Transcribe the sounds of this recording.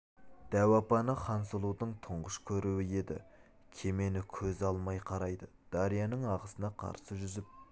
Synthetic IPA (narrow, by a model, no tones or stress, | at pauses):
d̪̥æwɑpɑnəχɑnsəlˠud̪əɴt̪ʰʊɴʁəʃkʲʰɵɾuwɪje̞d̪ɪ̰ | kʲʰe̞me̞nɪkʲʰɵzɑlˠmɑjqʰɑɾɑjd̪ə | d̪̥ɑɾijɑnəɴɑʁəsənɑqʰɑ̰ɾsəʒʏzɪp̚